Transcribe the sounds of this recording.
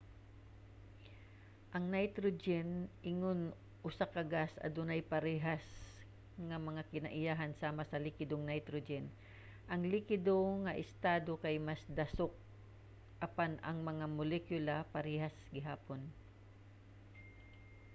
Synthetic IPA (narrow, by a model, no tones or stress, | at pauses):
ʔɐŋnajt̪ɾod͡ʒɛnʔɪŋon | ʔʊsakɐɡasɐ̰d̪ʊnajpɐɾɛːɦas | ŋɐmɐŋakɪnɐʔɪjaːɦansaːmasɐlɪkɪd̪oŋnajt̪ɾod͡ʒɛn | ʔɐŋlɪkɪd̪oŋɐʔɪst̪aːd̪okajmasd̪ɐsok̚ | ʔɐpanɐŋmɐŋamʊlɛkjʊlapɐɾɛːhasɡɪɦaːpon